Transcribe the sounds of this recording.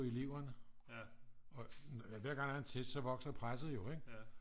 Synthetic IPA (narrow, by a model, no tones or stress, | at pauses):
iliʊɐnə | ɒ̽nʋæɐɡ̥ɑ̈ŋæɐent͡sʰesd̥sɒ̽ʋɒ̽ɡ̥sɐpʰʁasð̩ˠjo̝eɡ̥